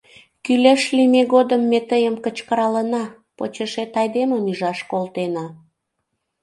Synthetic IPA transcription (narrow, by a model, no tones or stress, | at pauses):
kyleʃlimeɣod̪əmːet̪əjəmkət͡ɕkəɾɑlənɑ | pot͡ɕeʃet̪ɑjd̪eməmyʒɑʃkolt̪enɑ